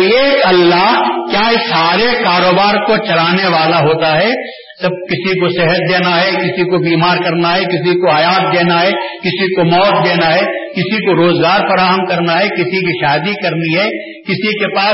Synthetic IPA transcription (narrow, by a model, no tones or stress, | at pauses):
eːkɐlːaɦkjaːɪsaːɾekaːɾoːbaːɾkot͡ʃɐlaːneʋaːlaɦoːt̪aɦɛ | sɐb̚kɪsikoseɦət̪̚d̪eːnaɦɛkɪsikobiːmaːɾkɐɾnaɦɛkɪsikoaːjaːt̪̚d̪eːnaɦɛkɪsikomɔːt̪̚d̪eːnaɦɛːkɪsikoɾoːzɡaːɾfɐɾaːɦəmkɐɾnaɦɛkɪsikiʃaːd̪ikɐɾniɦɛ | kɪsikepaː